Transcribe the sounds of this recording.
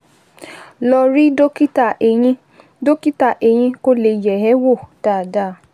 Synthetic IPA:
lɔ˧ɾi˦do˦ki˦ta˦˨e˨ĩ˧ | do˦ki˦ta˦˨ʔe˨j̃ĩ˧ko˦le˨˧˨jɛ˨ɦɛ˨˦wo˦˨ta˦˨da˦˨

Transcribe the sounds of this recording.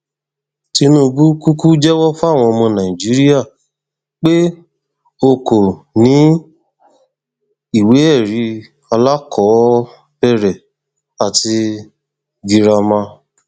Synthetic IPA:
ti˧nũ˦˧ɡu˦ku˦ku˦d͡ʒɛ˦wɔ˦fu˦a˦˨w̃ɔ̃˧mɔ̃˧nã˨ĩ˨d͡ʒi˨˦ɾi˦ja˦˨ | k͡pe˦ | o˧ko˨nĩ˨˦ | i˦˨we˨˦ɛ˦˨ɾi˨˦ | a˧la˦kʰɔ˨˦ | bɛ˦˨ɾɛ˨ | a˨ti˧ | ɡi˨ɾa˧mã˧

